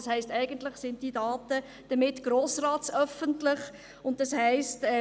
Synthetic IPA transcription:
shɛɪstɛɪɡ̥əntlɪχsɪnd̥idɑːtə | d̥əmɪtɡ̥ɾoːsrɑːtsœfəntlɪχ | ʊnt̚d̥ɑshɛɪstɛ

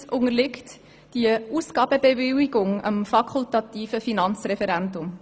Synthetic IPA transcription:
ʊŋəɾlɪkt | d̥iuːsɡ̥ɑːb̥əbevɪliɡʊŋə̰mfɑkʰχultɑt̪iːfəfinɑnt͡srɛfɛɾɛndʊm

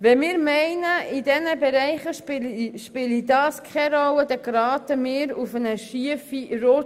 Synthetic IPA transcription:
vɛmɪːɾmɛɪnəʔidɛnəbɛɾæɪχəpʃpɪlidɑːskʰɛɾɔwəd̥̪əɡɾɑːtəmɪːɾufənəʃiəffiɾoː

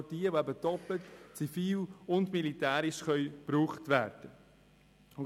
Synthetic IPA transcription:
diːəʋoæbədɔpətt͡sifiːlʊndmilitæːɾɪʃχœʏb̥ɾuːχtʋæːɾd̥ə

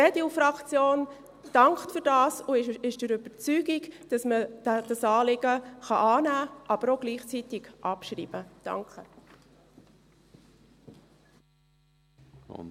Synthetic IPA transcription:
ɛdiufɾɑkt͡sjoːn | d̥ɑŋkχtfʏɾd̥ɑːsʊɪʃd̥ɛɾʏbəɾt͡syɡɪɡd̥ɑsmə̥d̥ɑsɑːlɪɡəχɑʔɑːnæːʔɑb̥əɾoɡ̥liːχt͡sitɪɡ̥ʔɑpʃɾḭːb̥əd̥ɑ̰ŋkχə

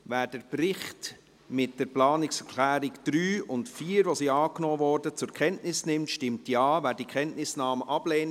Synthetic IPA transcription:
væːɾd̥əɾprɪχt | mɪt̚d̥əɾplɑːnɪksəɾkʰlæːɾɪkd̥ɾyːʊntfiːɾʋosiɑːknoːvɔɾdət͡sʊɾkʰɛntnɪsnɪmtʃtɪmtjɑːvæːɾdikʰχɛntnɪsnɑːməʔɑbleːn

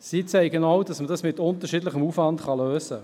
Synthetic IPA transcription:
siːt͡sɛɪɡənaʊdɑsmədɑsmɪtʊntəʃiːdlɪχəmuːfvɑntχɑløːsə

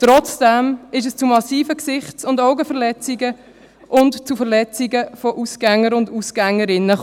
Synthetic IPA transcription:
t̪ɾɔt͡sd̥ɛmɪʃ̬əst͡sumɑsiːfəksɪχsʊndoʊɡəfəʁlɛt͡siɡə | ʔʊntt͡sufəʁlɛt͡siɡəfɔʔusɡ̥æŋːəɾʊndusɡ̥æŋːəɾɪnːə

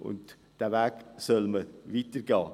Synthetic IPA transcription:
ʊ̰nt | d̥ævæːɡsœlməvitəɾɡɑː

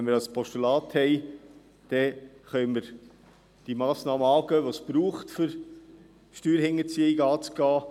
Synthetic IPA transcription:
ɛnmɪɾɑspʰɔʃtylɑːthɛɪ | d̥ɛχœʏməɾ | d̥imɑːsnɑːməɑːɡœːʋosb̥ɾuːχtfʏɾ | ʃtyːɾhɪŋːət͡siəiɡɑːt͡sɡ̥ɑː

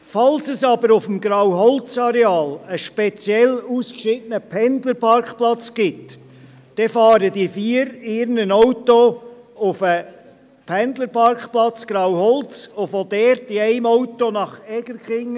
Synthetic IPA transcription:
fɑlsəsɑb̥əɾʊfmɡɾɑwɦɔlt͡sɑɾɛɑːləʃpɛt͡sjɛluːskʃɪtənəpʰɛnd̪ləɾpʰɑɾkχplɑt͡sɡ̥ɪt | d̥ɛfɑːɾədifiːəɾɪɾnənɔwto | ʊfə | pʰɛnd̪ləɾpʰɑɾkχplɑt͡sɡ̥ɾɑwhɔlt͡sofod̥̪ɛɾtɪæɪmɔʊtonɑχɛɡ̥əɾkχɪŋ

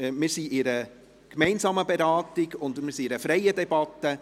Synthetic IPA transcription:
mɪːɾsiʔɪɾə | kmɛɪnsɑːməbɛɾɑːtɪɡʊndmɪɾsiɪɾəfɾɛjədɛbɑtːə

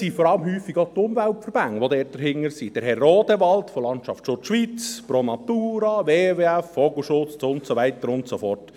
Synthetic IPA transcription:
sifɔɾɑləmhyːfːiɡot̪ʊmvæltfəɾb̥æŋəʋodɛːt̚d̥əɾɦɪŋːəɾsid̥ɛɾhɛrːoːdəʋɑltfolɑntʃɑftʃoʃʋit͡spɾomɑtuːɾɑʋeːveɛfːɔɡl̩ˠʃʊt͡sʊntsoʋɛɪtəɾʊntsofɔrt

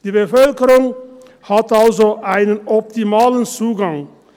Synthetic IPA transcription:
d̥iːbəfœlkəɾʊŋ | hat̪alzoʔaɪnənɔp̚t̪ɪmɑːlənt͡suːɡaŋ

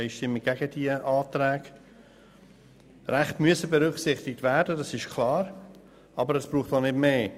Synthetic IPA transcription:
jʃtɪmːɪɡ̥æɡəd̥iəʔɑːtɾɛːɡ̥ | ræχtmyəsəbɛɾʏkχsɪχtɪk̚tværdədɑsɪʃkʰlɑːɾ | ɑbəɾəsb̥ɾuːχtonɪdmeː

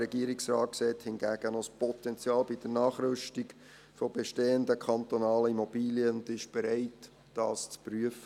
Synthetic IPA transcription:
ɛɡiəɾiksrɑːt̚ksɛːthɪnɡæːɡ̥ənospɔt̪ɛnt͡sjɑːlbid̥ənɑːχɾʏʃtiɡ | fɔbɛʃteːəndəkʰɑnt̪onɑːləimob̥iːliəʊndɪʃb̥ɛɾaɪtː | d̥ɑːst͡spryəfə

